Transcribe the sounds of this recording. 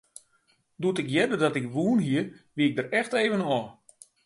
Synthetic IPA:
dutɪkjɛdədɔtɪkʋuənɦiəʋiɪɡ̚dəɾɛxteːvənoə

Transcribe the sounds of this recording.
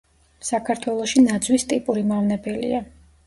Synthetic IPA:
sakʰaɾt̪ʰwɛlˠɔʃinad̪zwist̪ʼipʼuɾimavnɛbɛlḭa

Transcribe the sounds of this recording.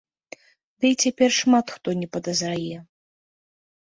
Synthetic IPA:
d̪ɨit͡sʲapʲɛrʂmat̪xt̪ɔnʲɛpɐd̪ɐzrajɛ

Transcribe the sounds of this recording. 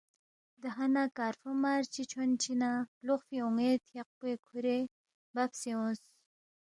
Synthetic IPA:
d̪əɦanakaːɾfumaɾt͡ʃit͡ʃʰont͡ʃʰinaluxfiuŋet̪jaq̚puekʰuɾe | bapseõs

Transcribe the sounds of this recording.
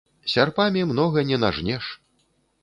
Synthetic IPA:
sʲarpamʲimnɔɣɐnʲɛna̰ʐnʲɛʂ

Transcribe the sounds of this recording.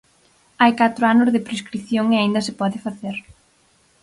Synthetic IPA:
ajkat̪ɾʊanʊzðɪpɾeskɾiθjoŋeaind̪ɐsɪpɔðɪfaθeɾ

